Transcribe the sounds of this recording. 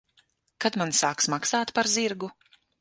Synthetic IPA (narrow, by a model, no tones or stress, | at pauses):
kat̪mansaːksmaksaːt̪paɾziɾɡu